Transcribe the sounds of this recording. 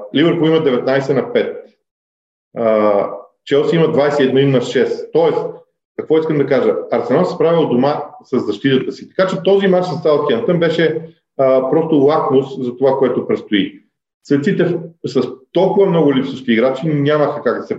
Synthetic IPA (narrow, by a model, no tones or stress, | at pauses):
livəɾpolˠiməd̪ɛvɛt̪najsɛnɐpɛt̪̚ | t͡ʃɛlˠsimɐd̪vajsɛiɛd̪noinɐʃɛst̪ɔɛs | kɐkvɔiskəmd̪ɐkaʒəɐɾsɛnansɛspɾavilˠd̪omasəzːɐʃt̪it̪ət̪əsi̥t̪ɐ̥kat͡ʃɛt̪ɔzimat͡ʃnɐst̪alˠt̪kʲiɛnt̪ənbɛʃɛ | pɾɔst̪olˠaknoszɐt̪ovakoɛt̪opɾɛt̪st̪oi | svɛt̪sit̪ɛsɐst̪ɔlˠkʊvɐmnɔɡʊlipsoʃk̪iːɡɾat͡ʃinʲaməxəkaɡd̪ɐsɛ